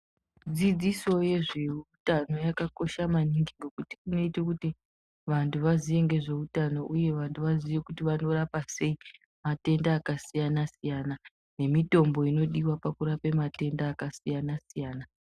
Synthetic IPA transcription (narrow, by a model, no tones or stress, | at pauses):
d͡zid͡ziso̞je̞ʐe̞utano̞jakako̞ʃamaniŋɡiɡokuti̥kino̞itekuti | ʋantʰuʋazije̞ŋɡe̞ʐe̞utano̞ʔuje̞ʋantʰuʋaziʋe̞kutiʋano̞ɾapase̞i | mate̞ndaːkasijanasijana | ne̞mito̞mbo̞ino̞ɗiwapakuɾape̞mate̞ndaːkasijanasijaːna